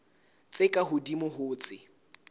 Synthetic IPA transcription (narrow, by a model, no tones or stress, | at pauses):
t͡sʼɪkʼaɦʊdimʊɦʊːt͡sʼɪ